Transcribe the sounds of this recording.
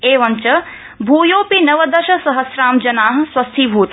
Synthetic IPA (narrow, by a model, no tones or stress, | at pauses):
eːʋɐɲt͡ʃɐ | bʱuːjoːpinɐʋɐd̪ɐʃɐsɐɦɐsɾaːmd͡ʒɐnaːɦɐ̆swɐst̪ʰibʱuːt̪